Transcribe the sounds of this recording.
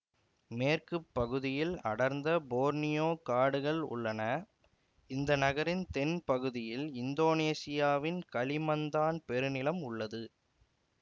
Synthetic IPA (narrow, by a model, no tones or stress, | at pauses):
meːrkɯpːɐɣɯðɪjɪlɐ̰ɽɐɾnd̪ɐboːɾnɪjoːkaːɽɯɣɐɭʊ̰ɭːɐnɐ | ɪnd̪ɐnɐɣɐɾɪnt̪ɛnpɐɣɯðɪjɪlɪnd̪oːneːsɪjaːʋɪnkɐlɪmɐnd̪aːnpɛɾɯnɪlɐmʊɭːɐðɯ